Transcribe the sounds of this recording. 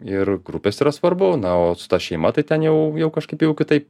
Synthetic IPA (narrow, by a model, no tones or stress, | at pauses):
ɪrɡɾʊpʲeːsiːɾɐsʋɐɾbonɐoːsʊ̥t̪ɑʃʲɛɪmɐt̪ɐɪt̪ʲɛnjɛʊjɛʊkɐʃkɐɪpjɛʊkʲɪt̪ɐɪp